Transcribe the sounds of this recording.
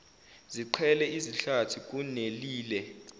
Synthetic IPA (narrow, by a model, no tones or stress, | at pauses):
ziǃʰɛlɛʔiziɬatʰik̬ʼuneliːlɛ